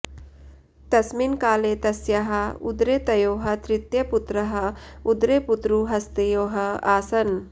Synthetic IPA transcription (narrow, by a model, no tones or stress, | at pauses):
t̪ɐsminkaːleːt̪ɐsjɐɦɐud̪ɾeːt̪ɐjoːɦɐ̆t̪ɾɪt̪jɐput̪ɾɐɦɐud̪ɾeːput̪ɾuɦɐst̪ejoːɦɐaːsɐn